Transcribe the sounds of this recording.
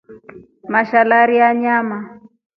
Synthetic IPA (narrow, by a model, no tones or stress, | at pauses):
maʃalaɾiaɲama